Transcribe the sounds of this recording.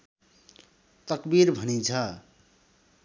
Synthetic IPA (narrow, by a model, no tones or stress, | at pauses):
t̪ʌkbiɾbʱʌnit͡sʰʌ